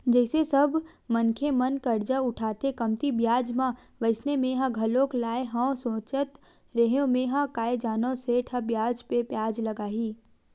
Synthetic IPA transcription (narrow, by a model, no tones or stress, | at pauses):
d͡ʒɛɪsesɐbʱ | mənkʰemɐnkɐɾd͡ʒaʊʈʰaːt̪ekɐmt̪ibjaːd͡ʒmã | ʋɐɪsnemẽɦãɡʱɐlõːklaːeɦãsõːt͡ʃət̪ | ɾeɦeõmẽɦãkaːed͡ʒaːnõseʈʰãbjaːd͡ʒpepjaːd͡ʒlɐɡaːɦiː